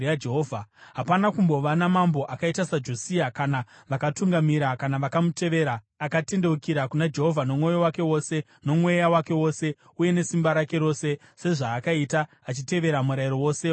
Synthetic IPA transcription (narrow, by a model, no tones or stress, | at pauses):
jad͡ʒeɦoːvʱaɦapanakumbo̞ʋanamambo̞ʔakaitasad͡ʒo̞siakanaʋakatuŋɡamiɾakanaʋakamute̞ʋe̞ɾaː | kate̞nde̞wukiɾakunad͡ʒe̞ɦo̞vʱano̞mwo̞jo̞wake̞wo̞se̞ | no̞mwe̞jawake̞wo̞se̞ | uje̞ne̞simbaɾake̞ɾo̞se̞ | se̞ʐaːkaita | at͡ʃite̞ʋe̞ɾamuɾaiɾo̞wo̞ːse